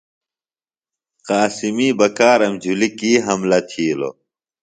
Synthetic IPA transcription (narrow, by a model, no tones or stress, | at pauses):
qaːsimiːbɐkaːɾɐmd͡ʑʱulikiːɦɐmlɐt̪ʰiːlo̰